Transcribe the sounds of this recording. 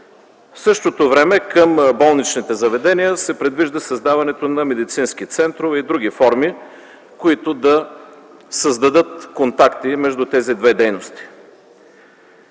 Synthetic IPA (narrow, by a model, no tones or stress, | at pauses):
fsɤʃt̪ot̪ovɾɛmɛkəmbɔlˠnit͡ʃnit̪ɛzɐvɛd̪ɛniəsɛpɾɛd̪viʒd̪əsɐzd̪avɐnɛt̪onɐmɛd̪it̪sinskit̪sɛnt̪ɾovɛid̪ɾuɡ̟ifɔɾmi | koit̪od̪ɐ | səzd̪ɐd̪ɤt̪kont̪akt̪imɛʒd̪ut̪ɛzid̪vɛd̪ɛjnost̪i̥